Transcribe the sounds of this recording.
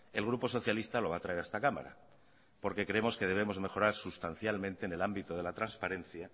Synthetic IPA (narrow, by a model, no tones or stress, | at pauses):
e̞lɣ̞ɾupo̞so̞θjalist̪alo̞β̞aːt̪ɾae̞ɾaest̪akama̰ɾa̰ | po̞ɾke̞kɾeemo̞ske̞ð̞e̞β̞emo̞zme̞xo̞ɾaɾsust̪anθjalmẽ̞nt̪e̞ːne̞lambit̪oðe̞lat̪ɾanspaɾẽ̞nθja